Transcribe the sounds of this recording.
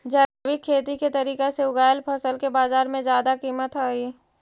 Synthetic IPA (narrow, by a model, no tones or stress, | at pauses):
d͡ʒɛːbɪkʰːeːt̪iket̪ɐɾiːkeseʊɡaːjəlpʰəsəlkebaːzaːɾmẽzjaːd̪akiːmət̪ɦaːi